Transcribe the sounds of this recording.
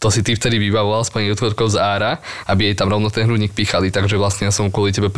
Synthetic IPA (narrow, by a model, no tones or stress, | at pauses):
t̪ɔsit̪ift̪ɛd̪iʋibaʋɔʋalspaɲut̪kɔt̪kɔʊzaːɾaʔabijɛjt̪amɾɔʊnɔt̪ɛnɦɾuɲiːk̚piːxalit̪aɡʒɛʋlasɲɛjasɔmkʊɔlicɛbɛp